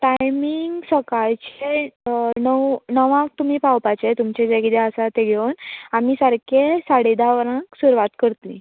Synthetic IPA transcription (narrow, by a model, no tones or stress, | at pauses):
ʈajmiŋɡsəkajt͡ɕe | nəwnəʋãk̚t̪um̤iːpawpat͡ɕet̪umt͡ɕed͡ʑekid̪eəsat̪eɡʱenamisəɾkʰesaɽid̪aʋəɾãksuɾʋat̪kəɾt̪lḭ̃